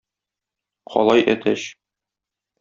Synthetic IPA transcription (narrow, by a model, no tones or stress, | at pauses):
qʰɒ̰lˠɑjʔæt̪ʰæɕ